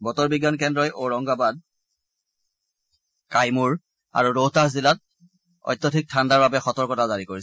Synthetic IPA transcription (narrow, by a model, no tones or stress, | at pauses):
bɔtɔɹbiɡankɛndɹɔjʔoɹɔŋɡabad̚ | kajmuɹ | a̰ɹuɹotahzilat̚ | ɔ̰jtːɔtʰik̚tʰandaɹbabɛxɔtɔɹkɔtazaɹikoɹis